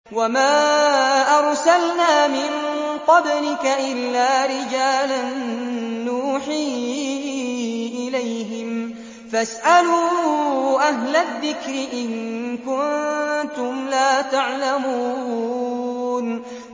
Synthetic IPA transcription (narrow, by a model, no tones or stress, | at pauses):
wamaːʔɑɾˤsalnaːmɪnqɑblɪkaʔɪlːaːɾɪd͡ʒaːlanː | uːħiː | ʔɪlajɦɪm | fasʔaluː | ʔaɦlaðːɪkɾɪʔɪnkʊnnt̪ʊmlaːt̪aʕlamuː | n